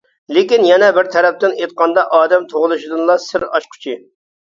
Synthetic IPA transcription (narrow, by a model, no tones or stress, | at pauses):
lɪkʲinjɛnɛbɪɾt̪ʰɛɾɛp̚t̪ɪnejt̪̚qʰɑnd̪ɑʔɑːd̪ɛmt̪ʰoʁʊlˠɨʃid̪ɨnlˠɑsɪɾɑ̰ʃqʰʊ̥t͡ʃʰi